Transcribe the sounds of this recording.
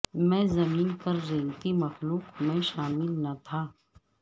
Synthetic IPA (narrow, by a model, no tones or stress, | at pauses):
mɛ̃ːzɐmiːnpɐɾzeːɡt̪imɐxluːkmɛ̃ːʃaːmɪlnɐt̪ʰaː